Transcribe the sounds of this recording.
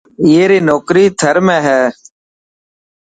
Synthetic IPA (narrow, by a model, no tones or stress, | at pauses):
ɪjeːɾiːnoːkɾiːt̪ʰəɾmẽːɦɛː